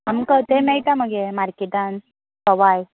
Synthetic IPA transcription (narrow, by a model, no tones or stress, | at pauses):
amkət̪emejt̪aməɡemaɾkid̪an | sɔʋaj